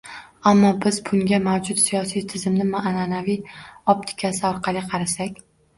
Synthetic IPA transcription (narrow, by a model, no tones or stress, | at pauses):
amːɒbɪzbʊŋɡʲamawd͡ʒʊt̪sijɒsijt̪ʰɪzɪmnɪmaʔːnanavijɒp̚t̪ʰɪ̥kʲʰasɪɒɾqʰɑlˠɪqʰɑɾasakʲ